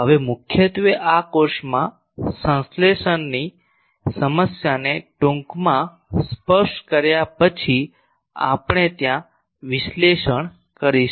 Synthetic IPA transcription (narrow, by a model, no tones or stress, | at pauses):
ɦəʋemʊkʰjət̪ʋeʔakoɾʃmã | sə̃nsleʃənːi | səməsjaneʈõŋkmã | spəɾʃʈkəɾjapət͡ʃʰi | a̰pɳ̃et̪jã | ʋɪʃleʃəɳ̃ | kəɾiʃ